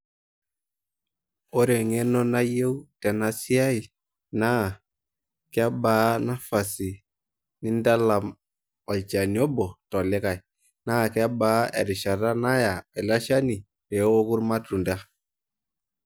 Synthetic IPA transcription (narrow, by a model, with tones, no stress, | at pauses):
o˦ɾe˨ŋɛ˦nɔ˦na˦je˦wtɛ˨na˨si˦a˦i˨ | na˦˨ | kɛ˦a˦baː˨˦na˦fa˨si˨ | ni˦nda˦la˨m | a˨lt͡ʃa˨ni˨ɔ˦bɔ˨tɔ˨lɪ˦ka˨j | na˦˨kɛ˦a˦ba˨˦ɛ̰˨ɾi˨ʃa˨ta˦na˦ja˨ɛ˨la˦ʃa˦ni˨ | ɾɛ˨˦o˦ku˦ɾma˦tu˨nda˦